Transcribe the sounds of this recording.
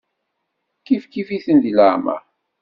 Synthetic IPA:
kifkifiθənd̪iləʕmæ̰

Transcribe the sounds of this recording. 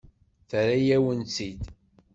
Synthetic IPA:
θəɾajæwənt͡sid̪

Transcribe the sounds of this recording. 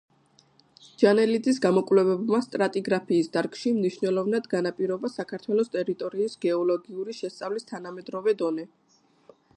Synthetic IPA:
d͡ʒanɛlid̪zis̬ɡamɔkʼvlɛvɛbmast̪ʼɾat̪ʼiɡɾapʰiːsd̪aɾkʼʃimniʃnɛlˠɔvnad̪ɡanapʼiɾɔbasakʰaɾt̪ʰwɛlˠɔst̪ʼɛɾit̪ʼɔɾiːsɡɛɔlˠɔɡiuɾiʃɛst̪sʼavlist̪ʰanamɛd̪ɾɔvɛd̪ɔnɛ

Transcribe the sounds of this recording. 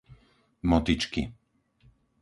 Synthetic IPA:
mɔt̪it͡ʃki

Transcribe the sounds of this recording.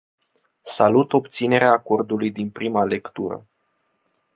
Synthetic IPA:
salut̪o̞bt̪sine̞ɾeaːko̞rd̪ulujd̪inpɾimale̞kt̪uɾə̰

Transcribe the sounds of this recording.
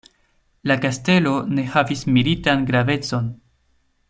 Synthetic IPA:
lakaste̞lo̞ne̞havismilitanɡɾave̞t͡so̞n

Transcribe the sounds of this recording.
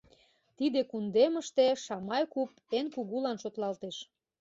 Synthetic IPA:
t̪id̪ekund̪eməʃt̪eʃɑmɑjkup̚ | enkuɣulɑnʃot̪lɑlt̪eʃ

